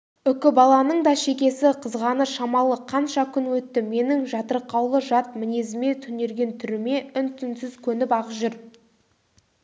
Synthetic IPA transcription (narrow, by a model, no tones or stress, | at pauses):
ʏkʲɪbɑlˠɑnəɴd̪ɑʃe̞kʲe̞sɪqʰəzʁɑnəʃɑmɑlˠəqʰɑnʃɑkʲʰʏnwɵt̪ːɪme̞nɪŋʒɑt̪əɾqːɑwlˠəʒɑt̪̚mɪne̞zɪme̞t̪ʰʏne̞ɾɡʲe̞nt̪ʰʏɾɪme̞ʏnt̪ʰʏnsɪz̥kʲʰɵnɪpɑʁəʒʏɾ